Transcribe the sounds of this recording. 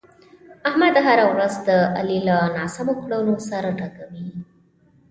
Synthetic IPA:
ahmad̪ɦaɾawɾazd̪əa̰lilanɑsamokɽawlosaɾaʈakawi

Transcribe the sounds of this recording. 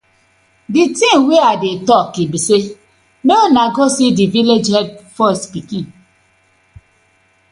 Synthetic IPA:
ditĩnweadetɔkibise | neonaɡosidiviled͡ʒhɛd̚fɔstpikĩn

